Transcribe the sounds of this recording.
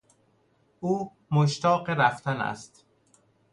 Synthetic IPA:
ʔuː | moʃt̪ɒːɢeɾæft̪ʰænæ̰st̪

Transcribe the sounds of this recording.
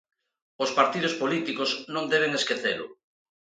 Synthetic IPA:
ospaɾt̪iðʊspolit̪ikosnõnd̪eβ̞eŋeskeθelʊ̰

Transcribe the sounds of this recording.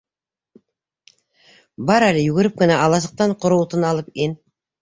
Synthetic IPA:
bɑɾælejʉɡʲɪɾɪp̚kʲɪnɑʔɑlˠɑsə̥q̚t̪ɑɴqʰʊɾuwt̪ənɑlˠəpen

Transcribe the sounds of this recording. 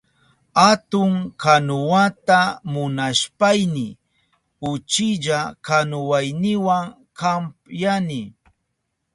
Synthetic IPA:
at̪ʊŋkanʊwat̪amʊnaʃpajnɪ | ʊt͡ʃɪʎakanʊwajnɪwaŋ | kampjanɪ

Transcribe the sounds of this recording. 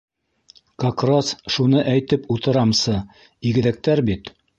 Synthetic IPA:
kakrosʃunɤʔæjt̪ɘput̪ɤ̆ɾɑmsɤ | iɡɘ̆ðæk̚t̪æɾbit̪

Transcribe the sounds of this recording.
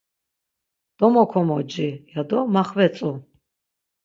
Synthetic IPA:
d̪̥ɔmɔkʰɔmɔd͡ʒijad̪ɔmaχvɛt͡sʼu

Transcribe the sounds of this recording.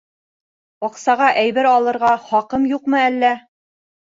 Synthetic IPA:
ɒqsɑʁɑʔæjβɘɾɑlˠɤ̆ɾʁɑχɒqɤmjuqmɤ̆ælːæ

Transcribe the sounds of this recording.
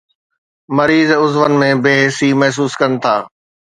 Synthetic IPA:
mɐɾiːzʊzʋənɪ̆mẽbeːɦesimɐɦs̬uːskɐnɪ̆t̪ʰaː

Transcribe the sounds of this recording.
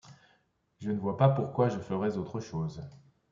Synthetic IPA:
ʒənəvwapapuʁkwaʒəfəʁɛzot̪χəʃoːz

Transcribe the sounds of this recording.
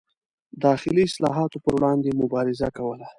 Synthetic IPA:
d̪ɑxɪliɪslɑ̰ɦɑt̪opəɾwɽɑnd̪emʊbɑɾɪzakawəla

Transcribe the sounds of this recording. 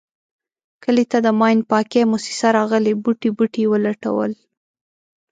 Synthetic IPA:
kəlet̪ad̪əmɑjnpɑkemusi̥saɾɑɣəlebuʈibuʈiwəlaʈa̰wə̰l

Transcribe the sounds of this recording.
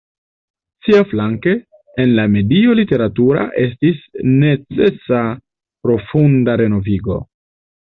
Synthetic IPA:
siaflaŋke̞ː | nlame̞dio̞lite̞ɾatuɾa̰ʔe̞s̬tisne̞t͡se̞sa | pɾo̞fundaɾe̞no̞viɡo̞̰

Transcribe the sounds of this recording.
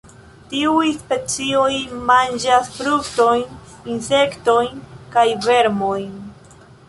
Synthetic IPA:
tiujspe̞t͡sio̞jmand͡ʒasfɾukto̞jn | inse̞kto̞jnkajve̞ɾmo̞jn

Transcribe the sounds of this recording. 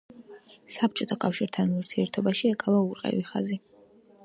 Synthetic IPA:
sap̚t͡ʃʼɔt̪ʰakʼafʃiɾt̪ʰanuɾt̪ʰiɛɾt̪ʰɔbaʃiɛkʼavauɾqʼɛ̰viχa̰zi

